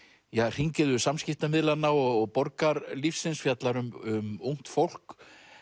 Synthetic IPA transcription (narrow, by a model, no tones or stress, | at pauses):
jar̥iɲcɪðʏsamscɪft̪amɪðlanːaɔɣɔɣpɔɾkaɾlifsɪnsfjat̪laɾʏmʏmuwŋ̥t̪fowl̥k